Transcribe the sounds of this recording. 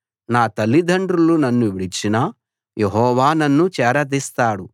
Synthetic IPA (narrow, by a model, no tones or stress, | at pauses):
naːt̪ɐlːid̪ʱɐɳɖɾulunɐnːuʋiɽit͡ʃːinɐ | jeɦɔːʋaːnɐnːut͡ʃɛːɾɐd̪ist̪aːɽu